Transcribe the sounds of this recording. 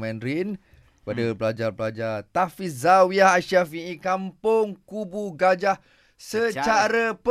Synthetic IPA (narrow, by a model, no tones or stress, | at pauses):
mɛ̃nɾin | kəpadabəlad͡ʒarblad͡ʒart̪afiszawiaɦaʃafiikampʊŋkubuɡad͡ʒah | sət͡ʃt͡ʃaɾəp